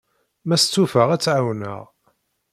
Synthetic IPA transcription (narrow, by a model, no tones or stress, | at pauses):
mæst͡sːufəʁæt͡sːʕawnə̰ʁ